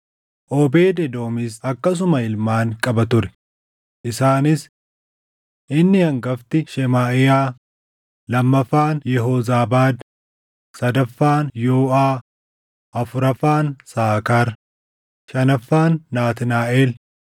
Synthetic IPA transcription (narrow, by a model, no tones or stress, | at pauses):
ʔoːbe̞ːd̪ɛd̪o̞ːmɪsɐkːɐs̬ʊmɐɪlmaːŋkʼɐbɐt̪ʊɾɛ̥ | ʔɪsaːnɪs | ʔɪnːɪhɐŋɡɐft̪ɪʃɛmaːʔɪjaː | lɐmːɐfːaːnjɛɦoːzaːbaːd̪ | sɐd̪ɐfːaːnjoːʔaː | ʔɐfʊɾɐfaːnsaːkaɾ | ʃɐnɐfːaːnːaːt̪ɪnaːʔeːl